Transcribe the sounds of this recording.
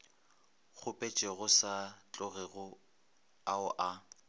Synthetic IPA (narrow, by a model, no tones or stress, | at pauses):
ɣʰʊpʼet͡ʃʼeɣʊsat͡ɬʼʊɣɪɣʊ | aʊʔa